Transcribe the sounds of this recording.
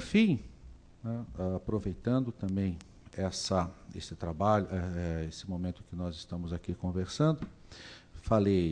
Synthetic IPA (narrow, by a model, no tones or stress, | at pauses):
ɾfĩj̪̃ | ɛaapɾovejt̪ɐ̃nd̪ʊt̪ɐ̃mbẽj̃ | ɛsɐḛsɪt̪ɾabaʎʊʔɛɛesɪmõmẽnt̪ʊkɪnɔzɪst̪ɐ̃mʊzakikõveɾsɐ̃nd̪ʊ | falej